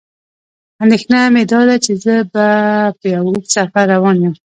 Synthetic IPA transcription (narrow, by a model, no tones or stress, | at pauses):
and̪exnamed̪ɑd̪at͡ʃezəbapəjawuksafaɾːawɑnjum